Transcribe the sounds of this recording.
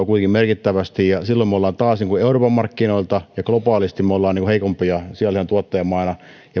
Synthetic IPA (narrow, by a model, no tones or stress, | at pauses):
kuit̪eŋkimerkit̪ːæʋæst̪ijɑsilːomeolːɑːnt̪ɑːsniːŋkueuroːpɑmmɑrkːinoilt̪ɑjɑklopɑːlist̪immeolːɑːniːŋkuheikompijɑsiæliænt̪uɑt̪ːɑjɑmɑinɑ | jɑ